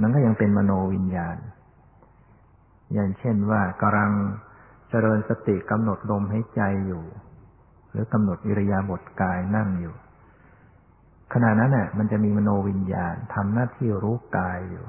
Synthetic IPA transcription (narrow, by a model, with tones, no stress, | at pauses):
ma˧˥˨nk̬ɔː˥˩ja˧ŋpe˧nma˧noː˧wi˧njaː˧n | jaː˨˩ŋt͡ɕʰe˥˩nwaː˥˩ka˧ɾa˧ŋ | t͡ɕa˧ɾɤː˧nsa˧t̪i˨˩ka˧mno˨˩t̪̚lo˧mɦa˩˦jt͡ɕa˧jːuː˨˩ | ɾɯː˩˦ka˧mno˨˩t̪̚ʔi˧ɾa˧jaː˧bo˨˩t̪̚kaː˧jna˥˩ŋjuː˨˩ | kʰa˧na˨˩t̪̚na˦˥nʔa˨˩ma˧nt͡ɕa˨˩miː˧maː˧noː˧wi˧nja̰ː˧nt̪ʰa˧mnaː˥˩t̪ʰiː˥˩ɾuː˦˥kaː˧jːṵː˨˩